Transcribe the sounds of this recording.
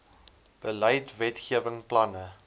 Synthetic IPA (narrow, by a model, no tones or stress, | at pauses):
b̥ələjtvɛtχiəvəŋplɐnə